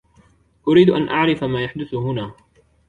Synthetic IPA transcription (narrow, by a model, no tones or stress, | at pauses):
ʔʊɾiːd̪ʔanʔaʕɾɪfamaːjaħd̪ʊθʊhʊnaː